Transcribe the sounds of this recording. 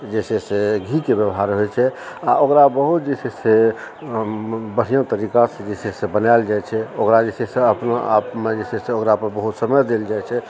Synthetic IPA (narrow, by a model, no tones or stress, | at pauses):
d͡ʒeseseɡʱikebjəʋɦaɾɦojt͡ʃʰɛaokɾabəɦut̪d͡ʒesese | bəɽ̤ijõt̪əɾikasẽd͡ʒesesebənaɪld͡ʒajt͡ʃʰɛokɾad͡ʒeseseəpnaa̰pmed͡ʒeseseokɾapəɾbəɦut̪səməjd̪eld͡ʒajt͡ʃʰɛ